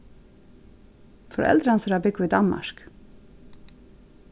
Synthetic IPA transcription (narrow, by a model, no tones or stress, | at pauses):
fɔɾʔɛ̰ld̪ɾɑnsɾɑːbɪkʊiːd̪ɑnmɑ̰ʃk